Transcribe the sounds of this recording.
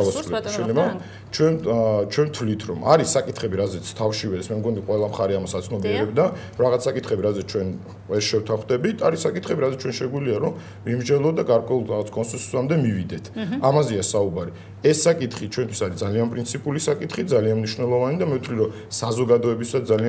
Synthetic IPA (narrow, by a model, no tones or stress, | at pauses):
aaslɛʃɛlɛba | t͡ʃʰwɛt͡ʃʰwɛmt̪ʰvlit̪ʰɾɔmaɾisakʼit̪ʰχɛbiɾazɛt̪sʰt̪ʰafʃivɛsmɛmɡɔniqʼwɛlˠamχaɾɛamasat̪sʰnɔbiɛɾɛbd̪aɾɔɾaʁat̪sʰsakʼit̪ʰχɛbiɾazɛt̪st͡ʃʰwɛn | vɛɾʃɛwt̪ʰaχd̪ɛbit̪ʰaɾisakʼit̪ʰχɛbiɾazɛt̪t͡ʃʰwɛnʃɛɡwiliaɾɔm | vimd͡ʒɛlˠɔd̪aɡaɾkʼwɛulˠɾaʁat̪sʰkʼɔnsɛnsu̥samd̪ɛmivid̪ɛt̪ʰamazɛasaubaɾi | ɛsːakʼit̪χit͡ʃʰwɛnt̪ʰwisaɾid̪zalianpʼɾint̪sʰipʼulisakʼit̪ʰχid̪zalianmniʃnɛlˠɔvanid̪amɛwt̪ʰvliɾɔ | sazɔɡad̪ɔɛbisad̪zali